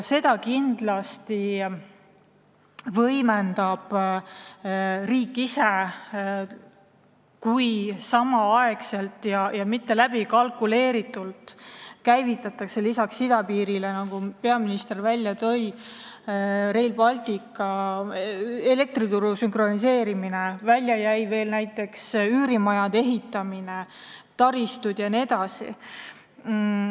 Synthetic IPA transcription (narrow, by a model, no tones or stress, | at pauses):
se̞d̪ɑkind̪lɑst̪i | vɤjmend̪ɑb̥ | riːkːˑise̞ | kujsɑmɑɑekse̞lt̪ˑjɑjɑmit̪ːe̞læb̥ikɑlkˑule̞ːɾit̪ːˑult̪kæjvit̪ːˑɑt̪ːˑɑkse̞lisɑksid̪̥ɑpiːɾilenɑɡupe̞ɑminist̪e̞rvælʲːjɑt̪ɤ̞j | ɾe̞jlbɑlʲt̪ikːˑɑ | ele̞k̚t̪ɾit̪uɾusyŋkro̞nis̬e̞ːɾiminevælʲjɑjæjve̞ːlnæjt̪ːˑe̞ksyːɾimɑjɑd̪̥e̞ɦit̪ːˑɑmine̞t̪ɑɾist̪ud̪̥jɑnied̪ɑsḭ